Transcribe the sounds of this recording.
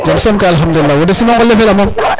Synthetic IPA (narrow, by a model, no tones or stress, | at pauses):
d͡ʒamsomkalɦamduːawodesimakolːefelamom